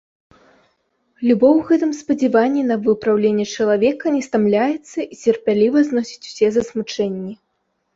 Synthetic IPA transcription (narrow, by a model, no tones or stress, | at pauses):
lʲubɔwɣɛt̪ɨmspɐd͡zʲɛvanʲːinɐvɨpɾawlʲenʲːɛt͡ʂɐlˠavʲɛkɐnʲɛst̪amlʲajɛt̪sːɐit͡sʲɛrpʲalʲivɐznɔsʲi̥t͡sʲu̥sʲɛzɐsmut͡ʂɛnʲːi